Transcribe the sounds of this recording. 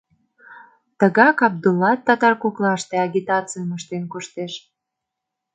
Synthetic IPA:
t̪əɣɑkɑb̚d̪ulːɑt̪ːɑt̪ɑrkuklɑʃt̪eɑɣʲit̪ɑt͡sɨjəməʃt̪enkuʃt̪eʃ

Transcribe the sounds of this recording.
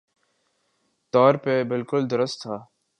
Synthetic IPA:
t̪ɔːɾpebɪlkʊld̪ɐɾəst̪ʰːaː

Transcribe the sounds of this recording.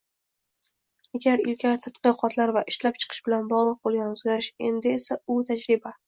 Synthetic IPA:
aɡʲaɾɪlkʲʰaɾɪt̪ʰat̪qɨqʰɒt̪ʰlaɾvaʔɪʃlap̚t͡ʃʰɨ̥qʰɨ̥ʃbɪlanbɒʁlˠɨq̚bolˠɡʲanʊzɡʲaɾɪʃe̞nd̪ɪesaʊt̪ʰad͡ʒɾɪba

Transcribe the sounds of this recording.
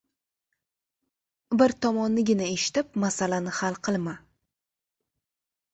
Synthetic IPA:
bɪɾt̪ʰɒmɒnːɪɡʲɪnae̞ʃɪ̥t̪ɪp̚masalanɪhalˠqʰɨlˠma

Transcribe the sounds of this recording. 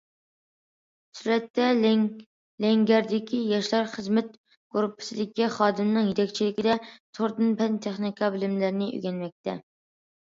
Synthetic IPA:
syɾɛt̪ːɛ | lɛŋɡʲæɾd̪ɪkʲijɑʃlˠɑɾχəzmɛt̪̚ | ɡ̥uɾpʰːɪ̥sɪd̪ɪkʲːɛχɑːd̪ɨmnɨŋjet̪ʰɛkʲt͡ʃʰilɪkʲɪd̪ɛt̪ʰoɾd̪ɨnpʰɛnt̪ʰeχnikʰɑbɪlɪmlæɾnɪʔø̰ɡʲɛnmɛk̚ʲt̪ʰɛ̰

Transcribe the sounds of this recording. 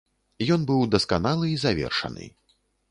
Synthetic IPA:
jɔnbɨwd̪ɐskanalˠɨizavʲɛ̰rʂɐ̰nɨ̰

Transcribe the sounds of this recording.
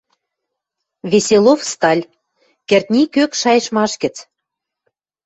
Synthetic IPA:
βesʲelofst̪ɑlʲ | kĕrt̪̚ʲnʲikøkʃɑjə̆ʃmɑʃkə̆t͡s

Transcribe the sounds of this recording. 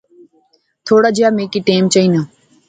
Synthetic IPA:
t̪ʰoːɽaːd͡ʒɪjaːmeːkiːʈeːmt͡ʃəiːnaː

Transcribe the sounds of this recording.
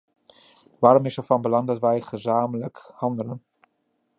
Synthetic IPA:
ʋaːɾomɪsərfɑnbəlɑŋdɑtʋɛjχəzaːmələkhɑndələn

